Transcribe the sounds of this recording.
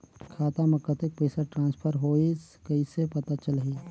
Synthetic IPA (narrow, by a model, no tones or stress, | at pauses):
kʰaːt̪aməkːət̪ek̚pəɪsaʈɾãːnspʰəɾɦois | kəisepət̪at͡ʃəlɦi